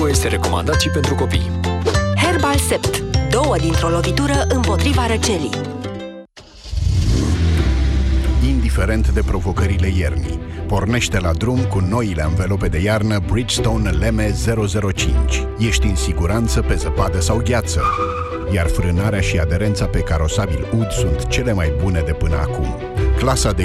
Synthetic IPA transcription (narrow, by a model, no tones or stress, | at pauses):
jest̪eɾe̞ko̞ma̰nd̪at̪sipe̞nt̪ɾuko̞pḭjhe̞rbalsept̪d̪o̞wəd̪int̪ɾo̞lo̞vit̪uɾəʔɨmpo̞t̪ɾivaɾət͡ʃe̞lij | ind̪ife̞ɾe̞nt̪d̪e̞pɾo̞vo̞kəɾile̞je̞rnḭpo̞rne̞ʃt̪e̞lad̪ɾumkuno̞ileɨnvelo̞pe̞d̪e̞jarnəbɾid͡ʒst̪o̞nle̞me̞ze̞ɾo̞ze̞ɾo̞t͡ʃint͡ʃʲ | je̞ʃt̪ʲɨnsiɡuɾant̪səpe̞zəpad̪əsawɡʲat̪sə | jarfɾɨnaɾeaʃiad̪e̞ɾe̞nt̪sape̞kaɾo̞sabilud̪sunt̪t͡ʃe̞le̞majbune̞d̪e̞pɨnəa̰kum | klasad̪e